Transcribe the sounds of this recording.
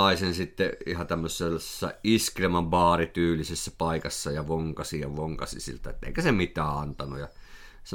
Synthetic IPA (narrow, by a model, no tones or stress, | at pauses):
ɑˑisensit̪ːeihɑt̪æmːøsesːɑ̰iskilemɑmʋɑːrit̪yːlisesːæpɑˑikɑsːɑjɑʋoŋkɑsijɑʋoŋkɑsḭsḭlt̪æet̪ːˑæḛˑikæsemit̪ˑæːɑnt̪ɑnujjɑ | s